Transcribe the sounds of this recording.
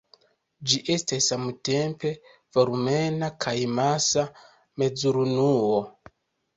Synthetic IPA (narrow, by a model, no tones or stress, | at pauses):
d͡ʒiʔestassamute̞mpe̞ | v̥oɾumenakʰajmasa | me̞d͡zuɾunuo